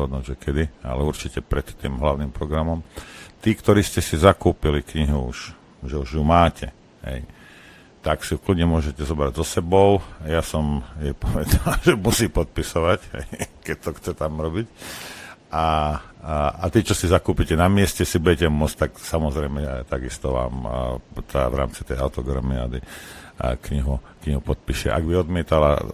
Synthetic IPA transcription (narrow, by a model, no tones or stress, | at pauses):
ɦɔd̪nuːɟʒɛkɛd̪ia̰lɛuɾt͡ʃicɛpɾɛt̪ːiːmɦlaʊnimpɾɔɡɾamɔmt̪iːkt̪ɔɾiːscɛsizakuːpilikɲiɦuṵʃ | ʒɛuʒjumaːcɛ | ɦɛ̰j | t̪aksiukludɲɛmʊɔʒɛcɛzɔbɾaɟzɔsɛbɔʊjasɔmjɛpɔʋɛd̪alʒɛmusiːpɔt̪̚pisɔʋacɦɛ̰jkɛc̚t̪ɔxt͡sɛt̪amɾɔbic | ʔa | at̪iːt͡ʃɔsizakuːpicɛnamɪɛscɛsibuɟɛcɛmʊɔt͡scʲt̪aksamɔzɾɛjmɛt̪aɡist̪ɔʋa̰ːmt̪a̰vɾa̰ːmt͡si̥t̪ɛjaʊt̪ɔɡɾa̰mia̰d̪i | kɲiɦukɲiɦupɔt̪̚piʃɛ̰ʔa̰ɡbiɔd̪mɪɛt̪ala̰